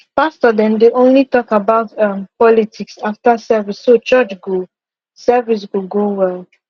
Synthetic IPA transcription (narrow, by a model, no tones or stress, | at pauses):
pastɔdɛ̃ndeʔõnlitɔkabaʊtʌ̃mpɔlitʰiksaftəsɛvisːot͡ʃɜt͡ʃɡo | sɛvis̬ɡuɡowɛl